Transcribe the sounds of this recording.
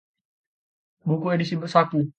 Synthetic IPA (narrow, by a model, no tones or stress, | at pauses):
bukuedisibərsat̪u